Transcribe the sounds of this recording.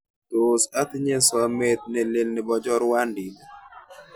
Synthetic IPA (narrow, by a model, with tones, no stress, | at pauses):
t̪o˨sa˦t̪ɲe˦sɔ˨me˦t̪̚nɛ˨lɪ˨lnɛ˨bɔ˦d͡ʒɔ˦ɾwa˦ndi˨d